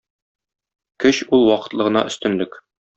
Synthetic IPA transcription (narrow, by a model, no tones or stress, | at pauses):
kɘɕulˠwɒqɤ̥̆t̪lˠɤ̆ʁɤ̆nɑ̰ʔɵ̆st̪ɘ̆nlɘk